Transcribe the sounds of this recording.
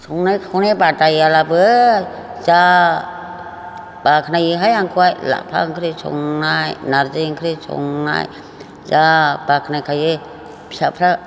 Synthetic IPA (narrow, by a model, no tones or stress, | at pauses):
sʰɔŋnajkʰaɔnebatajalabɯ | za | b̥akʰnajɯɦajaŋkʰuajla̰ʔ̚pʰɾa̰ŋkʰɯɾɯsʰɔ̰ŋnajnaɾzɯŋkʰɯɾɯsʰɔ̰ŋna̰j | zabakʰnajkʰaje | pʰsapʰɾa